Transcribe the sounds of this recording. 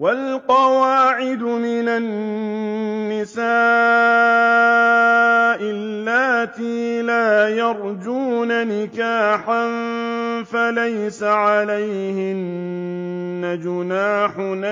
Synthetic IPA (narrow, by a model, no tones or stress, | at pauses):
walqɑwaːʕɪd̪ʊmɪnanː | ɪsaː | ʔɪlːaːt̪iːlaːjɑɾˤd͡ʒuːnanɪkaːħanfalajsaʕalajhɪnː | ad͡ʒʊnaːħʊna